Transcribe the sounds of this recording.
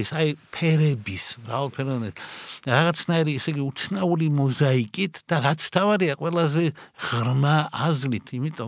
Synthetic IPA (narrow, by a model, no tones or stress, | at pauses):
isajpʰɛɾɛbismɾa̰valˠpʰɛɾɔnɛɾaʁat̪sʰnaiɾiɛsɛɡiut̪sʰnaulimɔzaikʼit̪ʰd̪̥aɾat̪sʰt̪ʰavaɾiaqʼwɛlˠazɛʁ̥ɾmaːzlit̪ʰimit̪ʼɔ